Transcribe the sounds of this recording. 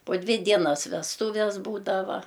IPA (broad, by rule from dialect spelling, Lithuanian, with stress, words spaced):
poː ˈdʲʋʲɪ ˈdʲiɛnɐs ʋʲɛsˈtuːʋʲɛs ˈbuːdɐʋɐ